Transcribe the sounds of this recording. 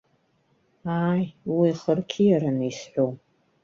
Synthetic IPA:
aːjwiːχərkʲʰijaɾanisħʷow

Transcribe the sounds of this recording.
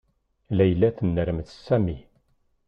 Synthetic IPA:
læjəlːæθənːəɾəmθsːæmi

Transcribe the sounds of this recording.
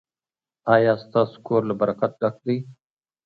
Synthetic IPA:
aːjaːst̪aːskoːɾlabɐɾəkɐt̪̚ɖak̚d̪iː

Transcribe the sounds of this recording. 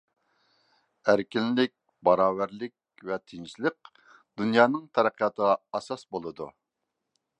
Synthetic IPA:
æɾkʲinlɪk̚ʲ | bɑɾɑːwæɾlɪkʲ | vɛt̪ʰɪnʃləq | d̪̥unjɑːnɨŋt̪ʰɛɾæqʰjɑt̪ʰəʁɑɑsɑsbolˠɨd̪ṵ

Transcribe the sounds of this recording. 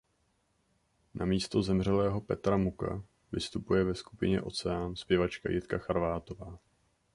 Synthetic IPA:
nʔamiːst̪o̞zɛmr̝ɛlɛːɦo̞pɛt̪ɾamuka̰ | vɪst̪upujɛvɛskupɪɲɛ̰ʔo̞̰t͡sɛanspjɛvat͡ʃka̰jʔɪt̪kaxaɾvaːt̪o̞vaː

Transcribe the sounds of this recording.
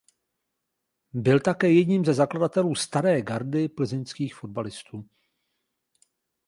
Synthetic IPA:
bɪlt̪akɛːjɛdɲiːmzɛzakladat̪ɛluːst̪aɾɛːɡaɾdɪpl̩zɪnskiːxfo̞d̚balɪst̪uː

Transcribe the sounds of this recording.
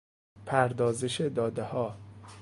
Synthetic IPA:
pʰæɾd̪ɒːzeʃed̪ɒːd̪ehɒː

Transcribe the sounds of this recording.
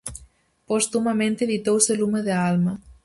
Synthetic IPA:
post̪umɐmẽnt̪eðit̪owselumeðealmɐ

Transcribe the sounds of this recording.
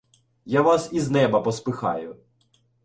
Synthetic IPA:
jaʋasiznɛbɐpɔspɪxɑ̰jʊ

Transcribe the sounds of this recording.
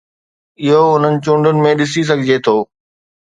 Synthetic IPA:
ɪɦoʊn̤ənɪ̆t͡ɕʊ̃ːɳɖʊnɪ̆mẽɗɪs̬is̬ɐɡʱɪd͡ʑet̪ʰoː

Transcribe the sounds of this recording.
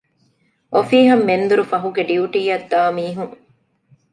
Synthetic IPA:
ʔofiːɦɐmːend̪uɾufɐɦuɡeɖiuʈiːɐd̪ːaːmiːɦuŋ

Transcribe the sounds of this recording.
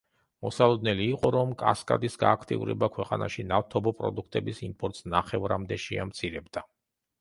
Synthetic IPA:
mɔsalˠɔd̪nɛliːqʼɔɾɔmkʼa̰skʼa̰d̪isɡaːkʰt̪ʼḭṵɾɛbakʰwɛqʼanaʃinaft̪ʰɔbɔpʼɾɔ̰d̪ukʰt̪ʼɛbisimpʼɔɾt̪ʼsnaχɛvɾamd̪ɛʃiamt̪sʰiɾɛbd̪a

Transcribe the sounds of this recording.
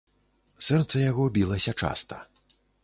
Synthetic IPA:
sɛrt̪sɐjaɣɔbʲilˠɐsʲɐt͡ʂa̰st̪ɐ

